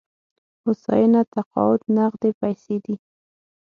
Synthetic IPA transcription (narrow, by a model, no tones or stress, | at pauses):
ʊsɑ̰jənat̪aqɑ̰wʊt̪naɣd̪epajsed̪i